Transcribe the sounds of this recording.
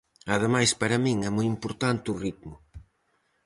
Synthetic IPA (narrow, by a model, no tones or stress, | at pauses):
ɐðemajspɐɾɐmĩŋɛmujimpoɾt̪ant̪ɪʊrit̪̚mʊ